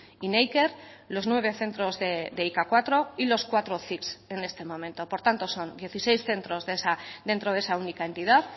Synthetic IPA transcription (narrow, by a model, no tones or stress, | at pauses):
inejke̞ɾlo̞znwe̞β̞e̞θe̞nt̪ɾo̞zðed̪eikakwat̪ɾo̞ilo̞skwat̪ɾoθikse̞ne̞st̪e̞mõ̞mẽ̞nt̪opo̞ɾt̪ant̪o̞so̞nd̪je̞θise̞jsθe̞nt̪ɾo̞zðesad̪e̞nt̪ɾo̞ðe̞saunikae̞nt̪iðað